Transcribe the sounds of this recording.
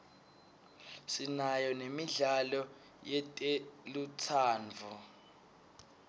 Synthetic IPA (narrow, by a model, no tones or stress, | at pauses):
sinajɔnemiɮalɔ | jɛtʼelutʰaːnvʱu